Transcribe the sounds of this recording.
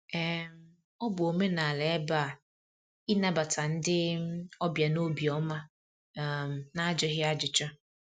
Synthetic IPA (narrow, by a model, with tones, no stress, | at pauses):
ɛ˨m | ɔ˦bʊ˨o˨me˦nã˨lɛ˨ɛ˦ba˦a˨ | i˦na˦ba˨tʰa˨n̩˦dɪ˦ɔ˦bja˨no˦bi˨ɔ˨˦mã˦˨ | m˨nã˦a˦d͡ʒɪ˦ɦɪ˦a˦d͡ʒɪ˨t͡ʃa˦